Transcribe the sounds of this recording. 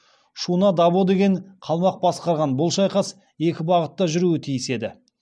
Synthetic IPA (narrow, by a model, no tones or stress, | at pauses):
ʃunɑd̪ɑbod̪e̞ɡʲe̞ɴqʰɑlˠmɑq̚bɑsqɑɾʁɑnbʊlˠʃɑjqɑs | e̞kʲɪbɑʁət̪ːɑʒʏɾuɪt̪ʰijɪse̞d̪ɪ